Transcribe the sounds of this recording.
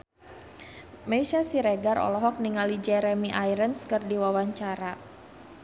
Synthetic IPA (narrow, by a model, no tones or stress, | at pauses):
mejsasiɾeɡarɔ̰lɔɦɔk̚niŋalid͡ʒɛɾɛmiʔajɾənskɨrdiwawaɲt͡ʃaɾa